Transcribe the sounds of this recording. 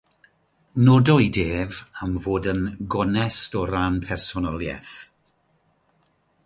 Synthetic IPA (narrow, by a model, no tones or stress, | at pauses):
nɔdɔideːvamvoːdənɡɔnɛstɔɾanpʰɛrsɔnɔlˠjɛ̰θ